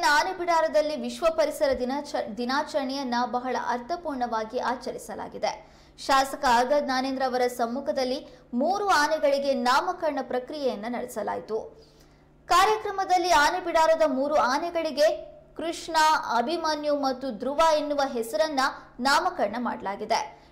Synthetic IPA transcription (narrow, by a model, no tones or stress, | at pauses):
nɐaːnebiɽaːɾɐd̪ɐlːiʋiʃʋɐpɐɾisɐɾɐd̪inaːt͡ʃɐɾɐɳɛjɐnːɐbɐɦɐɭɐ̰ʔɐɾt̪ʰɐpuːɾɳɐʋaːɡiʔaːt͡ʃɐɾisɐla̰ːɡid̪e̞ | ʃaːsɐkɐɡɐd̪naːneːnd̪ɾaːʋɐɾɐsɐmːuːkʰɐd̪ɐlːimuːɾuaːnɛɡɐɭiɡe̞naːmɐkɐɾɐɳɐpɾɐkɾijɛjɐnːɐnɐɽɛsɐla̰ːjit̪u | kaːɾjɐkɾɐmɐd̪ɐlːiaːnebiɽaːɾoːd̪ɐmuːɾuaːnɛɡɐɭiɡe̞kɾuʂɳɐɐbʱimanjumɐt̪ːud̪ɾuʋaːenːuʋɐɦɛsɐɾɐnːɐnaːmɐkɐɾɐɳɐma̰ːɽɐlaːɡid̪e